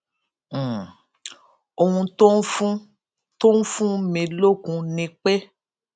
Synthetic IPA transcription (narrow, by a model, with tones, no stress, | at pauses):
o˧hũ˧to˦fũ˦ | to˦n̩˦fũ˦mĩ˧lo˦kũ˧nĩ˧k͡pe˦